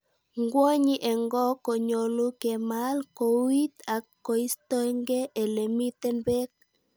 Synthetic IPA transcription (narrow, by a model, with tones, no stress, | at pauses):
ŋɡwo˦ɲiʔɛ˨ŋɡɔ˦ko˨ɲo˨lu˦kɛmalko˨wi˦t̪a˨kːo˨i˦stɔ˦ŋɡe˦ʔe˨le˨mi˦t̪ɛ˦nbɛ˦k̚